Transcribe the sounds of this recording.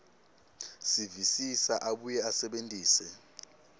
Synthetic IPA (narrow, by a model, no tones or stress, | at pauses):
sivisisaʔaɓujɛasɛɓentʼiːsɛ